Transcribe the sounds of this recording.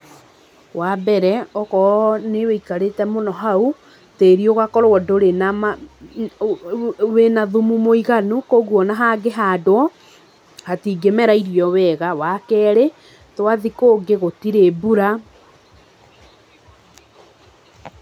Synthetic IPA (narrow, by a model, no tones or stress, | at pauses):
wabɛɾɛɔkɔneweikaɾetɛmonɔɦau | teɾioɣakɔɾɔɔdoɾenam | wenaðumumoiɣanukoɣwɔnaɦaɡeɦaːdwɔ | hatiːɡemɛɾaiɾijɔwɛɣawakɛːɾe | twaðikoːɡeɣotiɾebuɾa